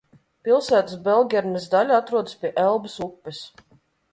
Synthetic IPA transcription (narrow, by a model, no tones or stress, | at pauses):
pilˠsæːt̪ɨsbɛlˠɡʲɛɾnɛzd̪alʲat̪ɾuɔd̪ɨspʲiɛʔɛlˠbɨsukːɛs